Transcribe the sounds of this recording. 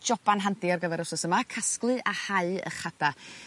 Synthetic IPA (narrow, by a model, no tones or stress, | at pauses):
d͡ʒɔb̥anɦandiɔrɡəvɛɾɔwsɔsəmakʰasklˠɨʔahaɨə̰χada